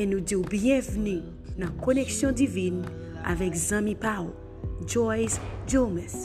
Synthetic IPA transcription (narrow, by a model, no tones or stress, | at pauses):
enũdiubjɛ̃vnĩ | nãkonɛksjɔ̃divĩn | a̰vɛkzãmĩpawl | d͡ʒɔjzd͡ʒomɛ̃s